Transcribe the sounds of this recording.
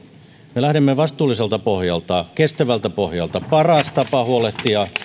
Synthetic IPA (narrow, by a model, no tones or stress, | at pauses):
melæhdimːeʋɑst̪uːlːˑiselt̪ɑpohjɑlt̪ɑkest̪æʋælt̪æpohjɑlt̪ɑpɑrɑst̪ɑpɑhuoleht̪ːijɑ